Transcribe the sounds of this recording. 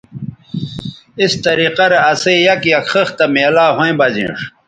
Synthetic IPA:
ist̪ɐɾiːqɐɾeɐseijɐkjɐkχəxt̪ɐmeːlaːɦoẽbɐzḭ̃ːʂ

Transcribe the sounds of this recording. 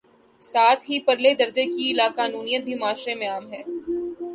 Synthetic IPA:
saːt̪ʰɦipɐɾled̪ɐɾd͡ʒekiɪlaːkaːnuːnijət̪̚bʱimaːʃɾemẽaːmɦɛː

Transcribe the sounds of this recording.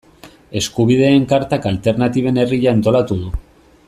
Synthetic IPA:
e̞skuβ̞ið̞e̞ːŋkaɾt̪akalt̪e̞ɾnat̪iβ̞e̞ne̞riʎaːnt̪o̞lat̪uðu

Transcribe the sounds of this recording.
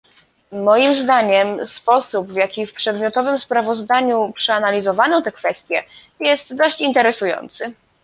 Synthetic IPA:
mɔjimzd̪aɲɛmspɔsubvjakʲifpʂɛd̪mʲjɔt̪ɔvɘmspɾavɔzd̪aɲupʂɛanalʲizɔvanɔ̃t̪ɛkfɛst̪ʲjɛ | jɛst̪d̪ɔɕt͡ɕint̪ɛɾɛsujɔ̰nt̪sɘ

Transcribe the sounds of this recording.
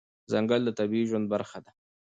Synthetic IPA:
zaŋɡəld̪ət̪abiiʒwand̪̚baɾxad̪a

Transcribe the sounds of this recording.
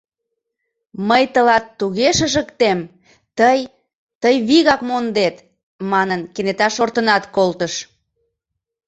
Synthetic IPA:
məjt̪əlɑt̪ːuɣeʃəʒəkt̪em | t̪əj | t̪əjβiɣɑkmond̪et̪ | mɑnənkenet̪ɑʃort̪ənɑt̪kolt̪əʃ

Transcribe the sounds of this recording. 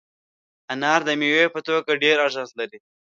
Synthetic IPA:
anɑɾd̪əmewepət̪oɡaɖeɾaʒɑ̃nslaɾi

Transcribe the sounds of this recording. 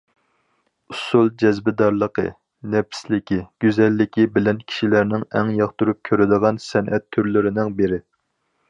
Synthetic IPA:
usulˠd͡ʒɛzbɪd̪ɑɾlˠəqʰə̰ | nɛpʰslɪkʲʰiɡ̥ʲyzɛlːɪkʲʰibɪlɛnkʲʰi̥ʃilæɾnɪŋɛŋjɑχt̪uɾup̚kʲʰøɾɪd̪əʁɑnsɛnʔɛt̪ʰːyɾlɪɾɪnɪŋbeɾɪ

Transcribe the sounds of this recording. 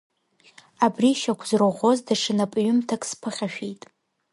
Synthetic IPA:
abriʃakʷʰzroʁʷo̞zdaʂɨnapʼɥʊmtʰakʼspʰɨχʲaʃᶣejtʼ

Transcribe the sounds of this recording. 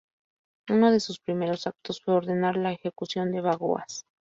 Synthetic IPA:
uno̞ð̞e̞suspɾime̞ɾo̞sak̚t̪o̞sfwe̞o̞ɾðe̞naɾlaexe̞kusjo̞nd̪e̞βaɣo̰a̰s

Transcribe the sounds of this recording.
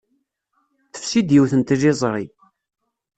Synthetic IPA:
θə̥fsid̪jiwθənt̪ʒizˤɾˤi

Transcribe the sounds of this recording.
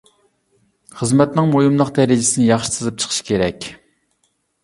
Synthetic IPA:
χəzmɛt̪nɨŋmojumlˠəqd̪ɛɾɪd͡ʒɪsɪnɪjɑχʃi̥sɨzɨp̚t͡ʃʰə̥qʰə̥ʃkʲʰeɾɛkʲ

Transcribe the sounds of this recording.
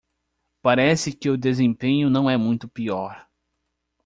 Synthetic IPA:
paɾɛsɪkɪʊd̪ezẽpẽɲʊnɐ̃w̃ɛmũj̃t̪ʊpiɔɾ

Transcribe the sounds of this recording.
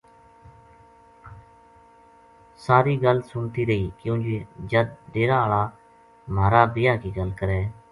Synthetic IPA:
saːɾiːɡəlsʊnt̪iːɾəiːkjũːd͡ʒiːd͡ʒəd̪ːeːɾaːɭaː | maːɾaːbɪjaːkiːɡəlkəɾɛː

